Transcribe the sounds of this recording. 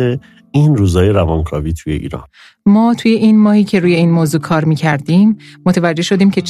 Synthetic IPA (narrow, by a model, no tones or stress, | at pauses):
e | iːnɾuːzɒːjeɾævɒːnkʰɒːviːt̪ʰujeʔḭːɾɒ̰ːn | mɒːt̪ʰuːje̞ʔiːnmɒːhiːcʰe̞ɾuːje̞iːnmoːzuːkʰɒːɾmiːcʰæɾd̪iːmːot̪ʰevæd͡ʒːe̞hʃo̞d̪iːmcʰe̞